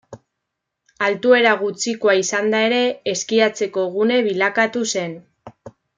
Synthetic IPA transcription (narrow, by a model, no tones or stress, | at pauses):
alt̪ue̞ɾaɣ̞ut͡siko̞aisand̪ae̞ɾe̞ːskiat͡se̞ko̞ɣ̞une̞βilakat̪use̞n